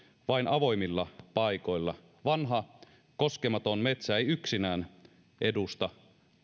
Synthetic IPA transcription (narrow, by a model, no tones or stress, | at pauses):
ʋɑinʔɑʋo̞jmilːɑpɑiko̞jlːɑ | ʋɑnɦɑ | ko̞skemɑt̪onmet̪sæejyksinæːn | ʔe̞dust̪ɑ